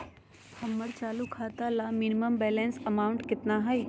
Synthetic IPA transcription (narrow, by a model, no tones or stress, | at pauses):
pʰɐmːəɾt͡ʃaːlukʰaːt̪alamɪnɪməmbɛːlẽːnsɐmaːʊɳʈkɪt̪naɦɛj